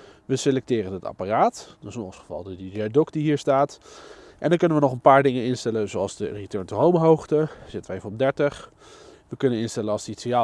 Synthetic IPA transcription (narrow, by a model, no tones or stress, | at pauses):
ʋəselɛk̚tɪːrənəta̰paraːtdsɪnɔnsχəvɑ̰lˠdədiɛdɔkdiɦiːɹstaːtʔɛndɑnkɵnənʋənɔχənpaːɹdɪŋənɪnstɛlənzoɑlˠzdəritɜɹntərowmɦowχtəzɪtənʋəejvənɔmdɛɹtəχ | ʋəkɵnənɪnstɛlənɑlˠsditsija